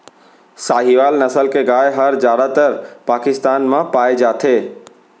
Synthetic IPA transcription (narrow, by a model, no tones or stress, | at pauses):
saːɦiʋaːlnɐsəlkeɡaːjɦɐɾd͡ʑaːɽat̪əɾpaːkɪst̪aːnmãpaːed͡ʒaːt̪ʰeː